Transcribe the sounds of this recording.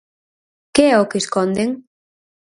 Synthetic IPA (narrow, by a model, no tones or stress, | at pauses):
keɛokeskond̪eŋ